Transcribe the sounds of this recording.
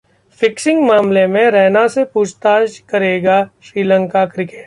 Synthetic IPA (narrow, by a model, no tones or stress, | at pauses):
fɪksɪ̃ŋɡmaːmlemẽɾɛːnasepuːd͡ʒt̪aːd͡ʒkɐɾeːɡaʃɾiːlə̃ŋkakɾɪkeːʈ̚